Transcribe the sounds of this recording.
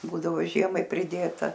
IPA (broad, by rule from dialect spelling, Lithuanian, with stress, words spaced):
ˈbuːdɐʋoː ˈʒʲiɛmɐɪ pʲrʲɪˈdʲeːtɐ